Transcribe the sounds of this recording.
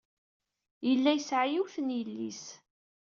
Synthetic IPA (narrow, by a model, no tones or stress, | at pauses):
jəlːæjəsʕajiwθənjəlːis